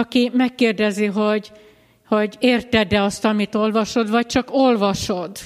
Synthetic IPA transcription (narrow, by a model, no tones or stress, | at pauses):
ɒkimɛkːeːrd̪ɛziɦo̞ɟ | ho̞ɟeːrt̪ɛd̪ɛɒst̪ɒmit̪o̞lvɒʃo̞d̪vɒc̚t͡ʃɒkolvɒʃo̞d̪